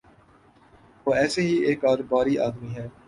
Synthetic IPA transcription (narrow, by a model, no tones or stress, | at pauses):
ʋoːɛːseɦiʔeːkɔːɾbaːɾiʔa̰ːd̪miɦɛ̃ː